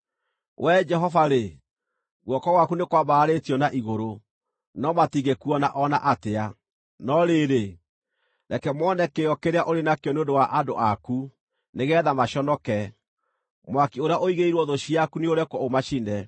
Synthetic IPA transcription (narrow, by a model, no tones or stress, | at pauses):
wʔɛd͡ʒɛɦɔvaɾe | ɣwɔkɔɣwakunekwaβaːɾetijɔnaʔiɣoɾo | nɔmatiɣɡekuɔnaʔɔnaʔatea | nɔɾeɾe | ɾɛkɛmɔnɛkeɔkeɾeaʔoɾenakeɔneondowaʔandoʔaku | neɣɛːðamaʃɔnɔkɛ | mwakioɾeaʔoiɣeiɾwɔðoʃiakuneoɾɛkɔomaʃinɛ